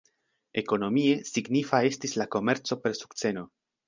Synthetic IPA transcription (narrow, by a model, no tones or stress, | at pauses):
e̞ko̞no̞mie̞siɡnifae̞stislako̞me̞ɾt͡so̞pe̞ɾsu̥kt͡se̞no̞